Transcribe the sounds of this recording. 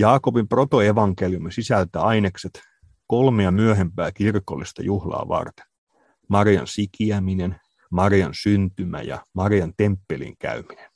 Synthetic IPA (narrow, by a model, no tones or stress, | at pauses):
jɑːkopimpro̞t̪o̞e̞ʋɑŋkeljumisisælt̪æɑinekset̪ | kolmejɑmyøɦempæːkirkolːist̪ɑ̰juhlɑ̰ːʋɑ̰rt̪e̥n | mɑrijɑ̰nsikiæminen | mɑrijɑnsynt̪ymæ̰jɑ̰mɑrijɑnt̪empːelḭŋkæ̰ymine̥n